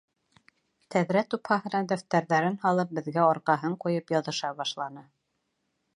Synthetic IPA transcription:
t̪æðɾæt̪uphɑɦɤ̆nɑd̪æft̪æɾðæɾɘnhɑlˠɤp̚bɘ̆ðɡæɑɾqɑɦɤɴqujɤpjɑðɤ̆ʃɑβɑʃlˠɑnɤ

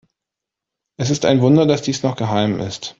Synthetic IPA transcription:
ʔɛs̬ɪstaɪnvʊndɐdasd̥iːsnɔχɡ̥əɦaɪmɪ̰st

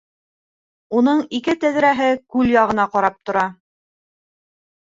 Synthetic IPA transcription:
un̪ɤɴikɘt̪æðɾæɦɘkʉljɑʁɤ̆n̪ɑqɑɾɑp̚t̪ŏɾɑ

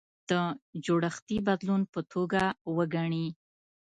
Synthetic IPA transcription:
d̪̥əd͡ʒoɽəxt̪ibad̪lunpət̪ʰoɡawəɡaɳi

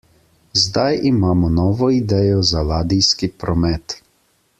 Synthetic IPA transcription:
zd̪ajimaːmɔnɔːʋɔid̪ɛːjɔzalaːd̪ijskipɾɔmɛt̪

